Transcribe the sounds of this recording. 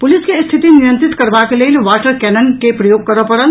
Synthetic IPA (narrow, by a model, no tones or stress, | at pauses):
puliskest̪ʰit̪inijə̃nt̪ɾit̪kəɾbakelelʋaʈəɾkɛnənkepɾəjoːɡ̚kəɾəpəɾəl